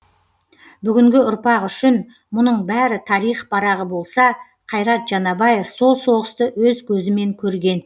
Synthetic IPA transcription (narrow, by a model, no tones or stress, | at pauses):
bʏɡʲɪŋɡʲɪʊɾpɑqʏʃɪn | mʊnəɴbæɾɪt̪ʰɑɾijχb̥ɑɾɑʁəbo̞lˠsɑ | qʰɑjɾɑt̪ʒ̥ɑnɑbɑje̞fso̞lˠso̞ʁəst̪əwɵzkʲʰɵzɪme̞ŋkʲʰɵɾɡʲe̞n